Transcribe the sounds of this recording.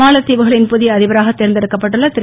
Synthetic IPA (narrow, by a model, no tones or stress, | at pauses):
aːlɐt̪ːiːʋɯɣɐɭɪnpʊðɪjɐðɪʋɐɾaːɣɐt̪ːeːɾɐnd̪ɪɾɯkːɐpːɐʈːɯɭːɐt̪ɪ